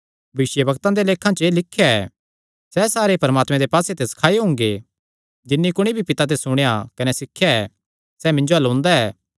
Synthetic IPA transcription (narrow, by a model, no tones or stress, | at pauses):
ɐʋɪsjəbɐkt̪ãd̪eleːkʰãt͡ʃəelɪkʰːejaɛː | sɛːsaːɾepɐɾmaːt̪mẽd̪epaːset̪esɐ̥kʰaːeɦʊ̃ːŋɡe | d͡ʒɪnːikʊɽ̃ibʱipɪt̪at̪̬esʊɽ̃ejakɐnesɪkʰːjaɛ | sɛːmɪ̃ɲd͡ʒoɐlõːnd̪aɛː